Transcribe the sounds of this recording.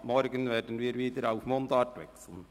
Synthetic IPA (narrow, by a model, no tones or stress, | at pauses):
mɔɾɡənvɛːdən̩viːɾviːdəɾaʊfmondɑːtʋɛ̰ksl̩n